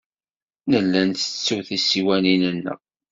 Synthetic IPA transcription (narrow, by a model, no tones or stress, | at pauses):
nəlːænt̪ə̥t͡sːuθisiwæninənːə̰ʁ